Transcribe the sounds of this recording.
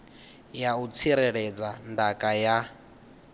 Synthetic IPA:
jaut͡sʰiɾɛɺɛd͡zandakʼaja

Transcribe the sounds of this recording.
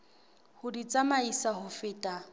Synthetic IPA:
hʊdit͡sʼamaisahʊfɪːtʼa

